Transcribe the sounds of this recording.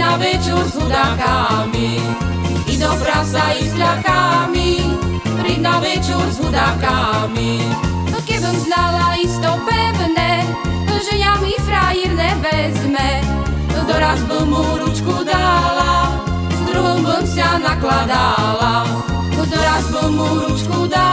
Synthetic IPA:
navɛt͡ʃuɾzɦud̪akami | inɔpɾasaisʎakamipɾinavɛt͡ʃuɾzɦud̪akami | nɔkɛbəmznalaist̪ɔpɛvnɛ | ʒɛɲamifɾajiɾnɛvɛzmɛ | ɔd̪ɔɾazbəmuɾut͡ʃkud̪ala | zd̪ɾuɦɔmbəmsanaklad̪a | la | ɔd̪ɔɾazbəlmuɾut͡ʃkud̪a

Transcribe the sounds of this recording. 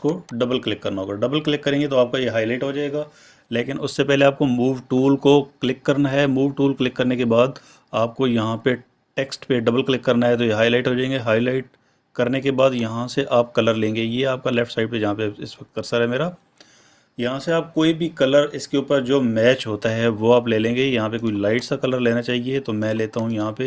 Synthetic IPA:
koɖɐbəlklɪkːɐɾnaɦoːɡaɖɐbəlklɪkːɐɾẽːŋɡet̪oaːp̚kajeɦaːjlaːɪʈɦod͡ʒaːeːɡaː | leːkɪnʊsːepɛɦleaːp̚komuːʋʈuːlkoklɪkːɐɾnaɦɛmuːʋʈuːlklɪkːɐɾnekebaːd̪ | aːp̚kojɐɦãpe | ʈeːksʈpeɖɐbəlklɪkːɐɾnaɦɛt̪̬ojeɦaːilaːɪʈɦod͡ʒaːẽːŋɡeɦaːilaːɪʈ̚ | kɐɾnekebaːd̪jɐɦãseʔaːp̚kɐləɾlẽːŋɡejeaːp̚kalɛːfʈsaːɪɖ̚pejɐɦãpeɪsʋɐk̚t̪̚kɐɾsaɾɦɛmeːɾa | jɐɦãseaːp̚koːibʱikɐləɾɪskeuːpəɾd͡ʒoːmɛːt͡ʃɦoːt̪aɦɛʋoaːpleːlẽːŋɡejɐɦãpekoːilaːɪʈsakɐləɾleːnat͡ʃaːɦiet̪omɛ̃ːleːt̪aɦũjɐɦãpe

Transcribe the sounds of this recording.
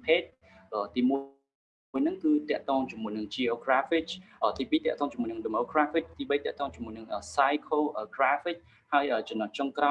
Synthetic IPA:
pʰeːt̪̚ | ʔəːt̪iːmu | jnɨŋkɨːt̪ɛ̆əʔt̪ɔːŋt͡ɕɔmuəjnɨŋt͡ɕiʔoːkraːfit͡ɕʔəːt̪iːpiːt̪ɛ̆əʔt̪ɔːŋt͡ɕmuəjnɨŋɗemoːkraːfit͡ɕ̚t̪iːɓəjt̪ɛəʔt̪ɔːŋt͡ɕɔmːuəjnɨŋʔəːsajkʰoːʔəːkraːfik̚ | haəjʔəːt͡ɕɑnːət͡ɕoŋkra

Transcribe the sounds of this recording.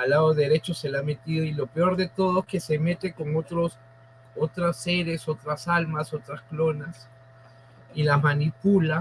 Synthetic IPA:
alaðoðe̞ɾe̞t͡ʃo̞se̞lame̞t̪iðoilopeo̞ɾðe̞t̪o̞ðoeske̞se̞me̞t̪e̞ko̞ŋot̪ɾos | ot̪ɾaseɾeso̞t̪ɾasalmaso̞t̪ɾasklo̞nas | ilazmanipula

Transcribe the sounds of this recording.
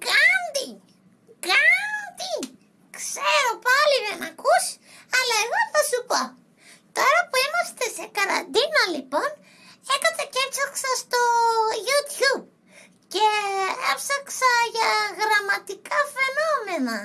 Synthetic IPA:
kɐnd̪i | kɐnd̪i | kseɾopɐliðenɐkus | ɐlɐeɣoθɐsupo | t̪o̞ɾɐpuimɐst̪e̞se̞kɐɾɐ̰nd̪inolipon | ekɐt͡s̪eceɾsɐksɐst̪oʝut̪çub̚ | ceḛfsɐksɐʝɐɣɾɐmɐt̪ikɐfe̞nome̞nɐ

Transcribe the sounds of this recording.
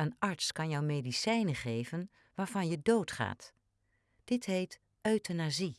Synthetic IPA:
ənɑɹtskɑnjɔwmedisɛjnəχejvən | ʋaːɹvɑnjədowtχa̰ːt | d̥ɪtɦejt | ʔœɥtənazi

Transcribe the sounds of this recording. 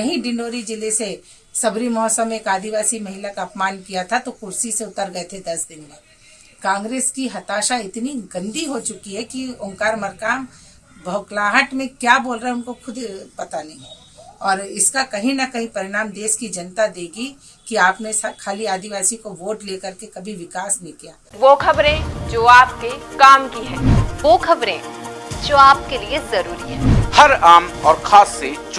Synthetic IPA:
kɐɦĩɖɪ̃ɳɖoːɾid͡ʒɪlese | sɐbɾimɔɦɔsəmeːkaːd̪iʋaːsimɐɦɪlakaːpmaːnkijat̪ʰat̪okʊɾsiseʊt̪əɾɡɐet̪ʰed̪ɐsd̪ɪnmẽ | kãːŋɡɾeːskiɦɐt̪aːʃaɪt̪niɡɐ̃nd̪iɦot͡ʃʊkiɦɛkiʊ̃ŋkaːɾmɐɾkaːm | bʱɐʊklaːɦəʈmẽkjaːboːlɾɐɦɛʊnkokʰʊd̪pɐt̪anɐɦĩ | ɔːɾɪskakɐɦĩnɐkɐɦĩpɐɾɪɽaːmd̪eːʃkid͡ʒɐnt̪ad̪eːɡi | kiaːpnẽsakʰaːliaːd̪iʋaːsikoʋoːʈleːkɐɾkekɐbʱiʋɪkaːsnɪkija̰ːʋoːkʰɐbɾẽd͡ʒoːaːp̚kekaːmkiɦɛ̃ːʋoːkʰɐbɾẽːd͡ʒoːaːp̚keliezɐɾuːɾiɦɛːhɐɾaːmɔːɾkʰaːsːet͡ʃ

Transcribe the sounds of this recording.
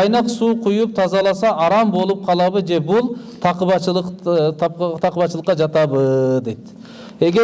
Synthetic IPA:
ɑjnɨqsuːqʰʊjup̚t̪ʰɑzɑlˠɑsɑʔɑɾɑmbo̞lˠup̚qʰɑlˠɑbɨd͡ʒebulˠ | t̪ʰɑqəbɑt͡ʃlˠq̪ | t̪ʰɑqəbɑt̪ʃəlˠəqːɑd͡ʒɑt̪ɑbəd̪ejt̪ | eɡʲe

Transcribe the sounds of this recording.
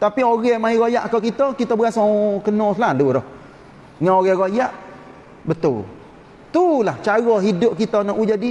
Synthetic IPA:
t̪apioɣɛmaiɣojaʔakawkit̪ɔkit̪ɔbəɡasɔkənɔsəlaluɾɔh | ŋaoɣɛɣojaʔ | bət̪ʊl | t̪ulaht͡ʃaɣɔɦidʊʔ̚kit̪ɔnɔʔud͡ʒadi

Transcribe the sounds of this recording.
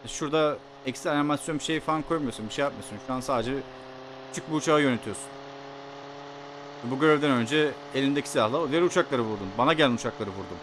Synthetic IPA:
aʃuɾd̪a | ɛkst̪ɾanimasjo̞nbiʃe̞jifankʰo̞jmɯjo̞sunbiʃejap̚mɯjo̞sunʃuansaːd̪ed͡ʒɛ | cʰy̥t͡ʃʰyc̚biut͡ʃʰaːɯjø̞net̪ʰijo̞su̥n | vɛbuɟø̞ɾevd̪ænø̞nd͡ʒɛ | elʲind̪ecʰi̥silʲahlˠaod̪ijæɾut͡ʃʰaklˠaɾɯvuɾd̪umbanaɟælʲinut͡ʃʰaklˠaɾɯvuɾd̪um

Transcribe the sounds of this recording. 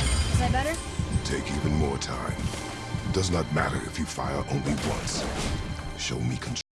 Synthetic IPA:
ɪzabɛɾə˞ | tʰeɪkivɨ̃nmɔɹtʰã̰ɪ̃m | d̥ʌznət̚mæ̰ɾə̰˞ɨ̰fjɨfa̰ɪə̰˞ʔõʊ̃nliwʌ̰̃ns | ʃoʊmikʰn̩

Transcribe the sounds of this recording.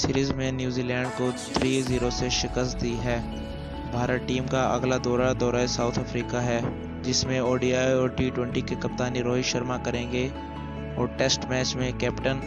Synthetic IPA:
sɪɾiːzmẽnjuːziːlɛ̃ːɳɖkot̪ʰɾiːziːɾoseʃɪkəst̪̚d̪iɦɛː | bʱaːɾəʈːiːmkaʔɐ̰ɡlad̪ɔːɾad̪ɔːɾaesaːʊt̪ʰəfɾiːkaɦɛː | d͡ʒɪsmẽoːɖiːaːjɔːɾʈiːʈwɛ̃ɳʈikekɐp̚t̪aːniɾoːɦiʃəɾmakɐɾẽːŋɡe | ɔ̰ːɾʈeːsʈmɛːt͡ʃmẽkɛːpʈən

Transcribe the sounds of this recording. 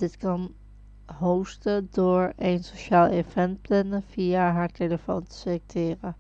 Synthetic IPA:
dɪtkɑn | ɦowstədʊːɹejnsoʃaːlˠefɛnt̚plɛnəv̥ijaɦaːɹteləfowntə̥selɛk̚tʰɪːrə

